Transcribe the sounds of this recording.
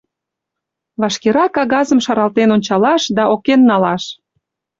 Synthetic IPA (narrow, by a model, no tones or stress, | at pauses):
βɑʃkeɾɑkɑɣɑzəmʃɑɾɑlt̪enonʲt͡ɕɑlɑʃd̪ɑʔokenːɑlɑʃ